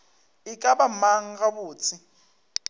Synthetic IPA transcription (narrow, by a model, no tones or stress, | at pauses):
ɪkʼabamaŋ̩ɡabuːt͡sʰɪ